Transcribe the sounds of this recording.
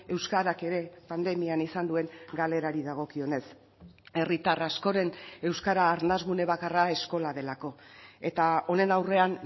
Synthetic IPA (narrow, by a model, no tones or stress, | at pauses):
e̞wskaɾake̞ɾe̞pand̪e̞mianisand̪ue̞ŋɡale̞ɾaɾiðaɣ̞o̞kio̞ne̞s | e̞rit̪arasko̞ɾe̞ne̞wskaɾaːɾnazɣune̞β̞akarae̞sko̞laðe̞lako̞e̞t̪ao̞ne̞nawre̞an